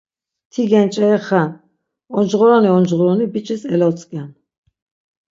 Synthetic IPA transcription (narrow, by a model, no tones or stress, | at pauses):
t̪ʰiɡɛnt͡ʃʼɛɛχa | ɔnd͡ʒʁɔɾɔniɔnd͡ʒʁɔɾɔnibit͡ʃʼisɛlɔt͡sʼkʼan